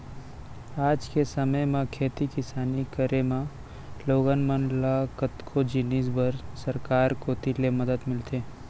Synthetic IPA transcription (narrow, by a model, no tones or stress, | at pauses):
aːd͡ʒkesɐməjmẽkʰeːt̪ikɪsaːnikəɾemã | loːɡənmənlakət̪kʰod͡ʒɪniːsbəɾsɐɾkaːɾkot̪ilemɐd̪əd̪mɪlt̪ʰeː